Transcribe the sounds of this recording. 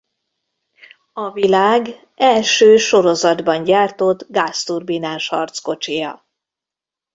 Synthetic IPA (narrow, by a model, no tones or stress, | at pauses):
ɒvilaːɡ | ɛlʃøːʃo̞ɾo̞zɒd̪bɒɲɟaːrt̪o̞d̪ɡast̪urbinaːnʃhɒ̰rt̪sko̞t͡ʃijɒ̰